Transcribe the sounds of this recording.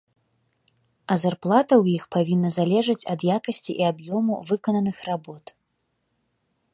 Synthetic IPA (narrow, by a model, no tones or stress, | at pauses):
ɐzarplˠat̪ɐwjixpavʲinːɐzalʲɛʐɐt͡sʲɐd̪jakɐsʲt͡sʲḭʔiabjɔmṵvɨkɐnɐnɨxrabɔt̪